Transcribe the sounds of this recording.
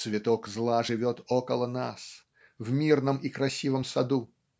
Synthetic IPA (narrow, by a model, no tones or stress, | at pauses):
svʲɪt̪ɔkzlˠaʐɨvʲɔt̪okəlˠəna̰s | vmʲirnəmikɾɐsʲivəmsɐd̪u